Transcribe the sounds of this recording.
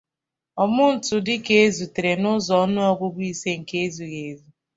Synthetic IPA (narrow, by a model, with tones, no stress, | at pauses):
ɔ˨mʊ˦n̩˨tʊ˨dɪ˦ke˦e˦zu˨te˨ɾe˨nʊ˦zɔ˨˦nʊ˦ɔ˦ɡʷʊ˦ɡʷi˦se˦ŋ̩˨ke˦e˦zu˨ɣe˨zu˦